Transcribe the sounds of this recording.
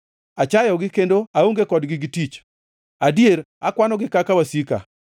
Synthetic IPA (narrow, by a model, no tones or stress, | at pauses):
at͡ʃajɔɡɪkendoaoŋɡekɔdɡɪɡɪtit͡ʃ | adjeɾ | akwanɔɡɪkakawasika̰